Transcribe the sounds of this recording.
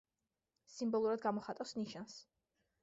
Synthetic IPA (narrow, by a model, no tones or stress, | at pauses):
simbɔlˠuɾad̪̚ɡamɔχat̪ʼawsniʃans